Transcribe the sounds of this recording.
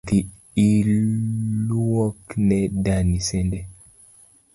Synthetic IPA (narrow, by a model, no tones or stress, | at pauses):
d̪i | il | uwɔknɛdanisɛndɛ